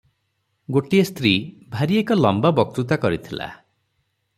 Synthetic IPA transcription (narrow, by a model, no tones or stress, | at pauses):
ɡoʈiest̪ɾibʱaɾiekɔlɔmbabɔk̚t̪ɾut̪̬akɔɾit̪ʰila̰